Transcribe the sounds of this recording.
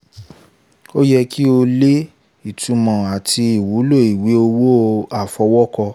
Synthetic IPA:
o˦jɛ˦ki˦o˧le˦ | i˦˨tũ˨˧mɔ̃˨a˨ti˧i˨wu˨˦lo˦˨i˨wi˨˦o˧wo˦˧a˦˨fɔ˧wɔ˦kɔ˧

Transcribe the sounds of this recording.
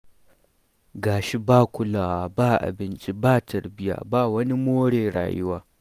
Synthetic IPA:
ɡaː˨ʃi˦baː˦˨kʷʊ˦laː˨wa˨baː˦˨ʔa̰˨bɪ˦nt͡ʃʼi˦baː˦˨tʰɐ˨ɾbɪ˦ja̰ː˨baː˦wɐ˦ni˦moː˦ɽeː˨ɽa̰ː˨jʊ˦waː˦

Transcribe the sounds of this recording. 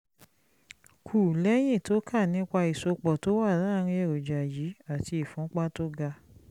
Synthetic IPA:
kʰuː˨lɛ˦j̃ĩ˦˨to˨˦kʰa˦˨nĩ˨˦k͡pa˧i˨so˧k͡pɔ˨to˨˦wa˦˨ɾã˦˧ɾ̃ĩ˧ɛ˨ɾo˨d͡ʒa˨jiː˨˦a˦˨ti˧i˨fũ˨˦k͡pa˦to˦ɡa˧

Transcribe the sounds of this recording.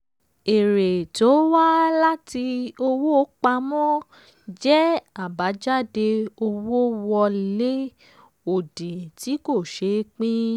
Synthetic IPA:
e˨ɾe˨to˨˦wa˦la˦ti˧o˧wo˦k͡pa˧mɔ̃˦ | d͡ʒɛ˦a˦˨ba˨˦d͡ʒa˦˨de˧o˧wo˦wɔ˧le˦ | o˦˨de˨ti˨˦ko˦˨ʃe˨˦k͡pĩ˦

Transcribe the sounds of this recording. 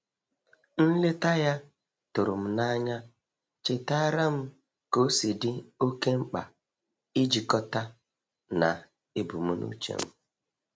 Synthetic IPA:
n̩˦le˦ta˦ja˦ | tʊ˨ɾʊ˨m̩˦na˦ɲa˦ | t͡ʃɪ˨ta˦ɾa˦m̩˦ | ko˦si˨dɪ˦o˦ke˦ŋ͡m̩˦k͡pa̰˨ | i˦d͡ʒi˨kɔ˦ta˦ | na̰˨ | e˦bu˨mu˦nṵ˦t͡ʃḛ˨m̩˦

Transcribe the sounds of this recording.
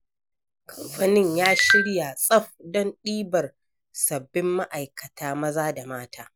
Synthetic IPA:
kʰɐ˨mɸɐ˦nɪ˦ɲjaː˦ʃɪ˦ɽja˨sʼɐ˦ɸdɔ˦nɗiː˦bɐ˨r | sɐ˨bːɪ˦mːa˦ʔa˨jkɐ˨taː˦mɐ˦zaː˦da˨maː˦tʰaː˦

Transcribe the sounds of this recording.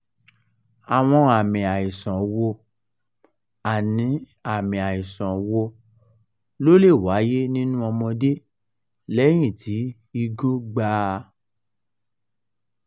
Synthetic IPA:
a˨w̃ɔ̃˧a˨mĩ˨a˨i˨sɔ̃˨wo˧ | a˨nĩ˨˦ | a˨mĩ˨a˨i˨sɔ̃˨wo˧ | lo˦le˦˨wa˨˦je˦nĩ˦nũ˦ɔ˧mɔ̃˧de˦ | lɛ˦j̃ĩ˦˨tʰi˨˦ | i˧ɡo˦ɡ͡ba˦

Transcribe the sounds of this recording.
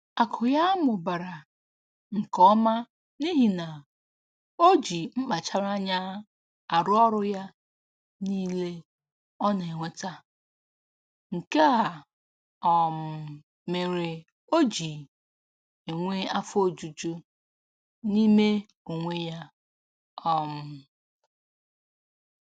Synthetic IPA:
a˨kʰʊ˨ja˦a˦mʊ˨ba˨ɾa˨ | ŋ̩˨kɔ˦ma˦ | ni˦ɦi˨na˨ | o˦d͡ʒi˨ŋ͡m̩˦k͡pa˨t͡ʃa˦ɾa˦ɲa˦ | a˨ɾʊ˦ɔ˦ɾʊ˦ja˦ | niː˦le˦ | ɔ˦ne˨e˨ŋʷe˦ta˦ | ŋ̩˨ke˦a˨ | ɔ˨m̩˨ | me˨ɾe˨ | o˦d͡ʒi˨ | e˨ŋʷe˦a˦fo˦d͡ʒu˨t͡ʃu˦ | ni˦me˦ | o˨ŋʷe˦ja˦ | ɔ˨m̩˨

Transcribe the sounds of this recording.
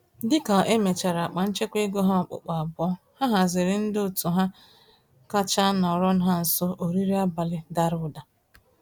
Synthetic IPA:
dɪ˦ka˨ʔe˦me˨t͡ʃa˨ɾa˨k͡pa˨n̩˦t͡ʃe˦kʷe˦ɡo˦ɦa˦ɔ˨k͡pʊ̰˨k͡pa˨a˨bɔ˦ | ha˦ɦa˨zɪ˨ɾɪ˨n̩˦dʊ˨tu˨ɦa˦ | ka˦t͡ʃa˦nɔ˨ɔ˨ɾɔ˦n̩˦ɦa˦n̩˨sɔ˦ʔo˨ɾi˦ɾi˦a˦ba˨lɪ˦da˨ɾʊ˦da˨

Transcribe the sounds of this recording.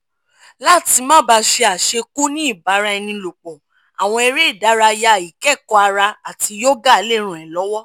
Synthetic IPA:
la˦˨ti˧mãː˦ba˧ʃe˧a˨ʃe˧ku˦nĩ˦i˦˨ba˨˦ɾa˧ɛ˧nĩ˧lo˨k͡pɔ˨ | a˨w̃ɔ̃˧ɛ˧ɾe˦i˦˨da˨˦ɾa˧ja˧˨i˨kɛ˦˨kɔ˧a˧ɾa˧a˨ti˧jo˦ɡa˦˧˦le˦ɾ̃ũ˨ɛ˨lɔ˨˦wɔ˦

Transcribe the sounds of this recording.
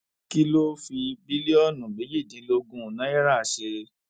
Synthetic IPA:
ki˦lo˦fi˧bi˦li˦ɔ˦˨nũ˨be˨˦d͡ʒi˦˨dĩ˨˦lo˧ɡũ˦˨nã˨˦ɛ˦ɾa˦˨ʃe˧

